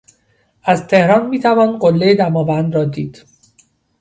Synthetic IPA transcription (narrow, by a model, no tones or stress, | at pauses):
ʔæzt̪ʰehɾɒːnmiːt̪ʰævɒːnɢolːejed̪æmɒːvænd̪ɾɒːd̪iːd̪̥